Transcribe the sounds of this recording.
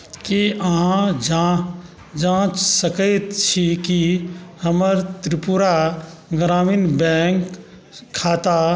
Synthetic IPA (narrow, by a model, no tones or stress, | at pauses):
kiaɦãd͡ʒa | d͡ʒãːt͡ʃsəkəjt̪t͡ʃʰikihəməɾt̪ɾɪpuɾaɡɾaːmiːnbɛːŋkʰː | aːt̪a